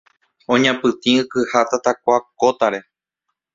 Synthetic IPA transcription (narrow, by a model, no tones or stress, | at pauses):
õɲãpɨt̪ĩɨkɨhat̪at̪akʷakot̪aɾe̞